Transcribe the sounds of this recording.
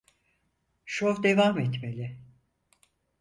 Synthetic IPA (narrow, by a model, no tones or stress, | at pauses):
ʃovd̪evaːmɛt̪melʲɪ